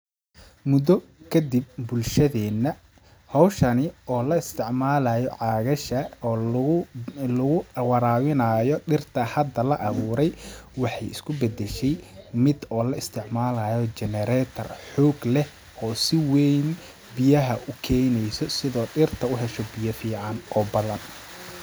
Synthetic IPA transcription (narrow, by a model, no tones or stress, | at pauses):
mʊd̪ɔ | kʰɐd̪ib̚bʊlʃɐðɛːnːɐ | hɔwʃɐnɪɔːlɐɪst̪ʰɪʕmaːlɐjɔʕɑːɣɐʃɐ | lʊɣʊwɑɾaːwɪnajɔɖɪrt̪ʰɐhɐd̪ɐlɐʔɐβuːɾɛjwɑħɑjɪ̰skʰʊbɛd̪ɛʃɛjmɪd̪ɔːlɐɪst̪ʰɪʕmaːlɐːjɔt͡ʃɛnɛɾɛt̪ʰɐ̰rħɔːɡlɛ | ɔːsɪwɛjn | bɪjɐɦɐʔʊkʰɛjnɛjsɔsɪðɔːɖɪrt̪ʰɐʊɦɛʃɔbɪjɐfiːʕɑnɔːbɐðɐn